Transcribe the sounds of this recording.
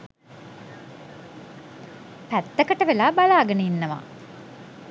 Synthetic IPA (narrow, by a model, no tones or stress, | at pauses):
pæt̪ːəkəʈəʋelaːbalaːɡənəinːəʋa̰ː